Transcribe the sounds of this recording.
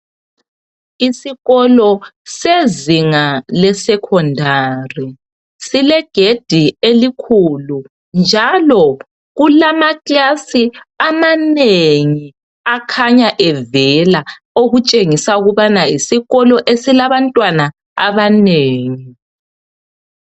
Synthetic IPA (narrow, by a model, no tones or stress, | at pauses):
isiɣɔlɔseziŋalɛsɛkʰɔndʱaːri | silɛɡ̥ʱed̥ʱielikʰulu | nd͡ʒʱalɔ | ɣulamakʼasiamaneŋi | akʰaɲaʔɛvɛla | oɣut͡ʃʼeŋisauɣuβanaisiɣɔlɔʔesilaβantʼwana | aβaneːŋi